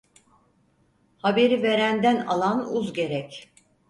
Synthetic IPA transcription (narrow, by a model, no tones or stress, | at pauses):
habe̞ɾive̞ɾænd̪æna̰lˠanuzɟe̞ɾɛc